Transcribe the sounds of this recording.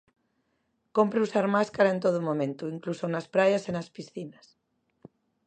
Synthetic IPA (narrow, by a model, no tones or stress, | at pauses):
kompɾeusaɾmaskaɾaent̪oð̞umõmẽnt̪uiŋklusonaspɾajasenaspisθinas